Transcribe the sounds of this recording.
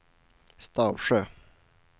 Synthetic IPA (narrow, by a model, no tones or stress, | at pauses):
st̪ɑːʋʃøː